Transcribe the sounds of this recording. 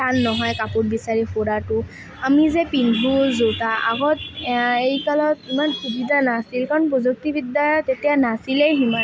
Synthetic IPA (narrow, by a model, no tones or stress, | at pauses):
anːɔɦɔjkapʊtbisaɹipʰoɹatʊ | amizɛpinbʱuzowtaʔa̰ɡɔtejkalɔtimankʰibʱidʱanasilkaɹɔnpozuk̚tibidːatetijanasilɛjɦima